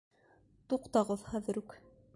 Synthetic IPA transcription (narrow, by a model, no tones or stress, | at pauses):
t̪uqt̪ɑʁɤðχæðɘ̆ɾʉk